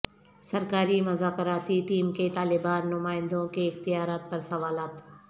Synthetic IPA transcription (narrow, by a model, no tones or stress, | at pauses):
sɐɾkaːɾimɐzaːkəɾaːt̪iʈiːmket̪aːlɪbaːnːʊmaːɪ̃nd̪õkeɪxt̪ɪjaːɾaːt̪̚pɐɾsɐʋaːlaːt̪